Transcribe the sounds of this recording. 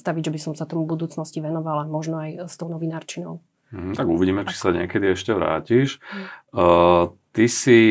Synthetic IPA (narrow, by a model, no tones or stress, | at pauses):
t̪aʋiɟʒɛbisɔmsat̪ɔmubud̪uːt͡snɔsciʋɛnɔʋalamɔʒnɔajst̪ɔʊnɔʋinaːɾt͡ʃinɔʊ | m̩ɦ̩t̪aɡuʋiɟiːmɛt͡ʃi̥saɲɪɛkɛd̪iɛʃcɛʋɾa̰ːciʃ | t̪isi